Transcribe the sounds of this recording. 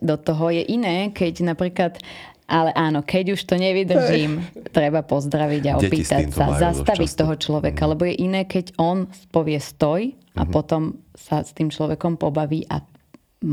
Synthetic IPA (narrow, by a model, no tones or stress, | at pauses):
d̪ɔt̪ɔɦɔjɛʔinɛːkʰɛɟnapɾiːklat̪ | ʔalɛʔaːnɔkɛɟuʃt̪ɔɲɛʋid̪rʒiːmt̪ɾɛbapɔzd̪ɾaʋiɟaɔ̰piːt̪acsa̰zast̪aʋit̪ɔɦɔt͡ʃlɔʋɛkalɛbɔjɛʔinɛːkɛɟɔnspɔʋɪɛst̪ɔj | a̰pɔt̪ɔmsast̪iːmt͡ʃlɔʋɛkɔmpɔbaʋiːʔa̰ | m